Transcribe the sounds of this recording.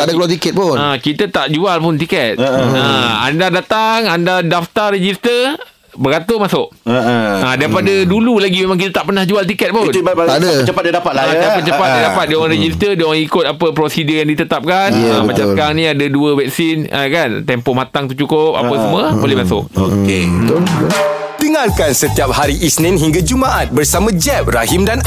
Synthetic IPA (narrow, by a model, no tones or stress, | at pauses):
adakəluat̪̬ikɛt̪̚pʊnakit̪ət̪aʔd͡ʒualpʊnt̪ikɛt̪̚aa̰ndadat̪aŋandadaft̪aɾed͡ʒist̪ər | bəɡat̪omasʊʔ | adaɾipadədululaɡimemaŋk̬it̪ət̪aʔpənahd͡ʒualt̪ikɛt̪̚pʊadaət͡ʃəpat̚djadapat̪̚laadapət͡ʃəpat̪̚diadapat̪̚diaŋɾed͡ʒist̪ədiwaŋikʊt̪̚apəpɾosidəjaŋdit̪ət̪ap̚kanamat͡ʃaskaŋnĩadaduəvɛk̚sinʔə̰kant̪ɛmpomat̪aŋt̪uht͡ʃukʊp̚a̰pəsəmuabolɪhmasʊ̰koke | d̪əŋalkansət̪iap̚haɾiʔisnĩnɦiŋɡad͡ʒumaʔat̪̚bərsamãd͡ʒɛp̚raɦimdan